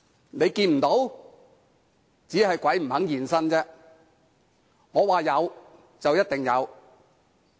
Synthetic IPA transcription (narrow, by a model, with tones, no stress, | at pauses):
ne˨˧jkiː˧nm̩˨˩t̪o˨˥w | t͡siː˨˥ɦɐ˨jkʷɐ˨˥jm̩˨˩hɐ˨˥ŋjiː˨nsɐ˥nt͡sɛː˥ | ŋɔː˨˧waː˨jɐ˨˧w | t͡sɐ˨wjɐ˥t̚t̪ɪ˨ŋjɐ˨˧w